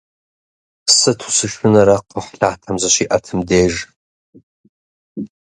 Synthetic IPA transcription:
sɨtʰu̥sɨʃʊnɐɾaqəħɬaːtʰamzɐʃiʔɐtʰɨmdeːʒ

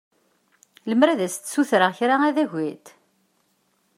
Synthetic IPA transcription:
ləmɾæðæst̪ːsuθɾəçɾaæðæʝʷit̪

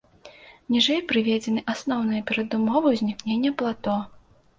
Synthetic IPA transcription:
nʲiʐɛjpɾɨvʲɛd͡zʲɛnɨʔasnɔwnɨjɐpʲɛɾɐd̪umɔvɐwzʲnʲiknʲenʲːɐplˠat̪ɔ

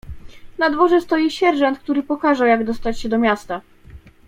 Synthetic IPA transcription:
nad̪vɔʐɛst̪ɔjiɕɛɾʐɔnt̪̚k̚t̪uɾɘpɔkaʐawjaɡd̪ɔst̪at͡ɕɕɛd̪ɔmʲjast̪a

